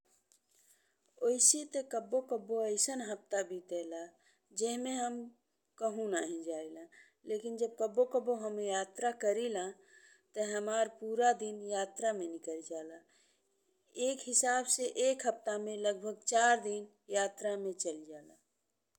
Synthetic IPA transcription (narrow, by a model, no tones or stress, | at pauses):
oɪsit̪ekəbokəbːoəɪsənɦəp̚t̪abʱit̪eːla | d͡ʒeɦmẽɦəm | kəɦũnaːɦĩd͡ʒaːilã | leːkɪnd͡ʒəb̚kəbokəboɦəmejaːt̪ɾakəɾilã | t̪əɦəmaːɾpuːɾad̪injaːt̪ɾamẽnɪkəɾd͡ʒaːla | eːkɦɪsaːbseʔeːkɦəp̚t̪amẽləɡbʱəɡ̚t͡ʃaːɾd̪in | jaːt̪ɾamẽt͡ʃəld͡ʒaːla